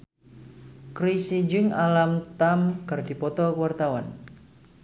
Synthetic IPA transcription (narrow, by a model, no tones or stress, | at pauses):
kɾisid͡ʒɨŋalamt̪amkɨrdipɔt̪ɔkuwart̪awan